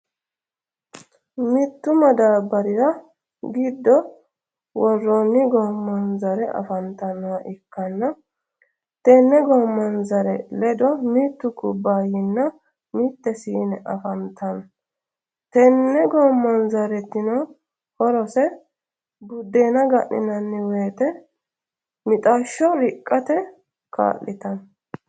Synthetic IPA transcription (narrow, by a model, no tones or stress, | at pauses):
mɪt̪ːʊmɐd̪aːbːɐɾɪɾɐ | ɡɪd̪ːɔ | wɔrːɔnːɪɡɔmːɐnzɐɾɛʔɐ̰fɐnt̪ɐnːɔwɐʔɪkːɐnːɐ | t̪ɛnːɛɡɔmːɐnzɐɾɛlɛd̪ɔmit̪ːʊkʊbːaːjɪnːɐ | miːt̪ːɛsiːnɛʔɐfɐnt̪ʰɐn | t̪ɛnːɛɡɔmːɐnzɐɾɛt̪ːɪnɔ | hɔɾɔsɛ | bʊd̪ːe̞ːnɐɡɐʔnɪ̰nɐnːɪweːt̪ɛ | mɪt̪ʼɐʃːɔɾɪkʼːɐt̪ɛ | ka̰ːlːɪt̪ɐn